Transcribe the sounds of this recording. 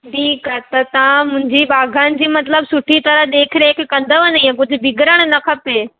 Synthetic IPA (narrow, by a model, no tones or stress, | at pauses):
ʈʰiːkat̪ɐt̪ɐʋ̤ãmʊ̃ɦɪ̃ɲd͡ʑibaːɡʱaːnɪ̆d͡ʑiːmɐt̪ləbsʊʈʰit̪ɐɾəɦɗ̪eːkʰɪɾekkɐ̃nd̪əʋɐniãkʊd͡ʑʱʊ̆bɪɡʱɾəɽ̃nɐkʰɐpe